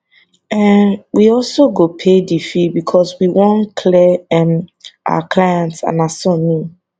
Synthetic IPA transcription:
ɛwiɔlsoɡopʰedifibikʰɔswiwɔ̃nkʰlɛɛmʔa̰wakʰlajɛ̃ntsã̰nasɔ̃nĩ

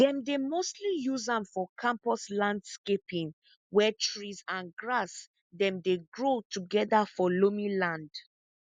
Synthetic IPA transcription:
dɛ̃mdemostlijuzãmfɔkʰãmpɔslãndskepĩn | wɛtɹizãnɡɹas | dɛ̃mdeɡɹotuɡɛdafɔlomĩlãnd

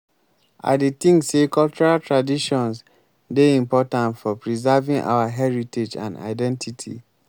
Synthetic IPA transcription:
ʔa̰det̪ĩŋsekɔlt͡ʃuɹaltʰɹadiʃɔ̃ns | deĩmpɔtãntfɔpɹizavĩŋʔa̰waɦɛɹited͡ʒã̰nda̰ɪdɛ̃ntʰitʰḭ

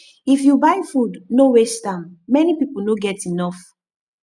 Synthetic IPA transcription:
ifjubajfudnowestãmːɛnipipl̩noɡɛtinɔf

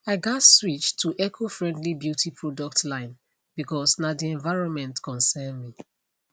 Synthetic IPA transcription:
aɪɡɔtswit͡ʃtʰuʔɛkʰofɹɛ̃ndlibjutʰipʰɹɔdɔk̚tlãɪ̃n | b̥ikɔsnadiɛ̃ɱvaɪɹɔ̃nmɛ̃ntkʰɔ̃nsɛnmi

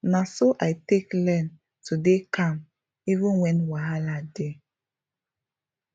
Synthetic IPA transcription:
nasoʔajteklɛn | tudekʰãm | ivĩnwɛ̃nwaɦalade

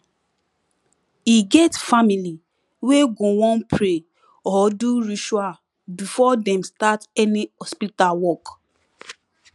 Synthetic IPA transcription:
iɡɛtfamili | weɡowɔ̃npʰɹe | ɔduɹiʃwa | bifɔdɛ̃mstatɛnihɔspitalwɔk

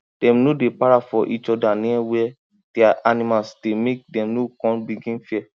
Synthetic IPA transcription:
d̥ɛ̃mnodepaɹafɔʔit͡ʃɔdanĩwɛ | d̥iaʔanĩmalsdemek̚dɛ̃mnokɔ̃nbiɡĩnfiɛ

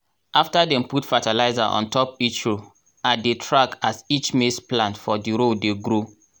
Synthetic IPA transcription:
ʔaftadɛ̃mputfatalaɪzaʔɔ̰̃ntʰɔpit͡ʃɹo | adetʰɹakasit͡ʃmesplãntfɔdiɹodeɡɾo

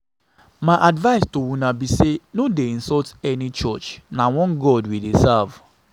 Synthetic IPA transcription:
maʔadvaɪstowunabisenodeĩnsɔltɛnit͡ʃɔt͡ʃnawɔ̃nɡɔdwidesav

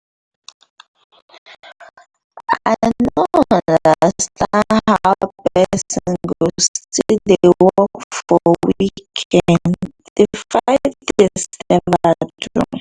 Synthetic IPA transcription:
aaɪnoãnnddəastʰãnhaʊpɛsɔ̃nɡostʰidewɔkfɔwikʰɛ̃n | defaɪvdɛsɛ̃mbatɹṵ

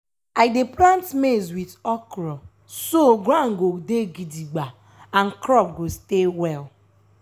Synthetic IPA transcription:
aɪdeplãntmezwitɔkɾɔp | soɡɾãŋ̩ɡodeɡidiɡ͡ba | an̩kɾɔp̚ɡostewɛl

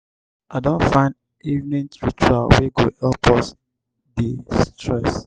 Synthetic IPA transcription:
ʔaɪdõnfãɪ̃nd | ivnɛ̃ntɹit͡ʃualweɡohɛlpɔs | distʰɹɛs

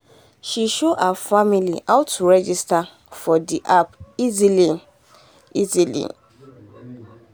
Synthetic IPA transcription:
ʃiʃoʔafamiliʔaʊtːuɹɛd͡ʒista | fɔdiʔapizilĩn | izilḭ̃

